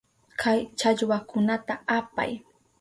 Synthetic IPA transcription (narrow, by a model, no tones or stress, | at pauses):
kʰajt͡ʃaʎwakʊnat̪aapa̰j